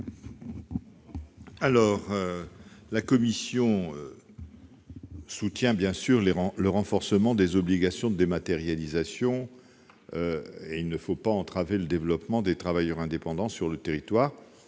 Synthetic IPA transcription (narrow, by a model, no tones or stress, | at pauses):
alɔʁ | lakɔmisjɔ̃ø | sut̪jɛ̃bjɛ̃syʁleʁləʁɑ̃fɔʁsəmɑ̃d̪ezɔbliɡasjɔ̃d̪əd̪emat̪eʁjalizasjɔ̃ | øeilnəfopaɑ̃t̪χaveləd̪evlɔpmɑ̃d̪et̪χavajœʁɛ̃d̪epɑ̃d̪ɑ̃syʁlət̪eʁit̪waːʁ